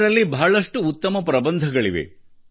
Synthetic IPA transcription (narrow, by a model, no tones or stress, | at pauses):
ɾɐlːibʱaːɭɐʂʈuːt̪ːɐmɐpɾɐbɐnd̪ʱɐɡɐɭḭʋḛ